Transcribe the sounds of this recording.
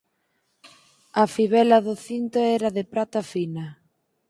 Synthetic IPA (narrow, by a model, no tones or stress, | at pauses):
afiβɛlaðoθint̪oɛɾaðepɾat̪afina